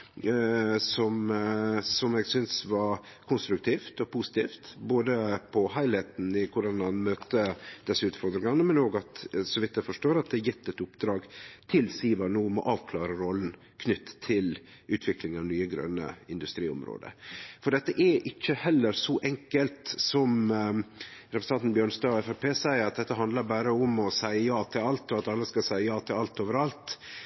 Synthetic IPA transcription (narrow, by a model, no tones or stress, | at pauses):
sɔm | sɔmɛɡsʏnsʋɑɾ | kʰʊnst̪ɾʉk̚t̪ʰiːft̪ɔpʰʊsɪ̥t̪ʰiːft̪boːd̪əpʰɔhæɪlhæɪt̪n̩ɪkʰʊɖɑnmɑnmøːt̪əd̪̥ɛsːəʉːt̪fɔɾd̪ɾɪŋɑnəmɛnoːɡɑt̪sɔʋɪt̪ːəfɔʂʈoːɾɑt̪̚d̪ɛjɛt̪ːɛt̪ʊpd̪ɾɑːɡt̪ʰɪlsiːʋɑnuːmɔ̰ʔɑːʋkʰlɑːɾəɾɔln̩ | kʰnʏt̪ːʰɪl | ʔʉːt̪ʰʋɪklɪŋnɑʋnyːəɡɾœ̰nːə̰ɪnd̪ʉst̪ɾiːʊ̰mɾo̰ːd̪ə̰fɔɖɛt̪ːəʔæʔɪçːəhɛlːəɾsɔʔɛŋkəlt̪sɔm | ɾɛpɾsnɑnt̪n̩bjøːɳst̪ɑːɔɛfæpʰeːsæɪəɾɑt̪̚d̪ɛt̪ːəɦɑnd̪ləɾbæːɾəʊmɔsæɪəjɑːt̪ʰɪlɑlt̪ɔɑt̪ɑlːəskɑsæɪəjɑːt̪ʰɪlɑlt̪oːʋəɾɑlt̪